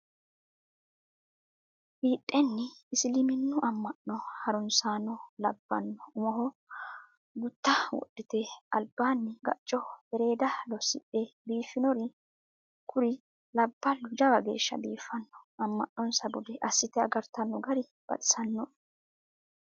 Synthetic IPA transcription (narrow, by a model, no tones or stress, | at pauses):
hiːʔʼːɛnːɪɪsɪlɪmɪnːʊʔɐmːɐʔːɔhɐɾʊnsaːnːɔlɐbːɐ̰nːɔʊmɔɦɔ | ɡʊt̪ːɐwɔ̰ɗːɪt̪eɐlbːaːnːɪɡɐ̰t͡ʃʼːɔhɛɾe̞ːd̪ɐlɔsɪ̰ʔebiːfːɪnɔɾɪ | kʰʊɾɪ | lɐbːɐlːʊd͡ʒɐbɐɡe̞̰ːʃːɐ̰biːfːɐnːɔ̥ɐmːɐʔːɔnsɐbʊd̪ɛʔɐsːɪt̪ɛɐɡɐɾt̪ɐnːɔɡɐɾɪ | b̥ɐ̰t̪ʼɪ̥sɐnːɔ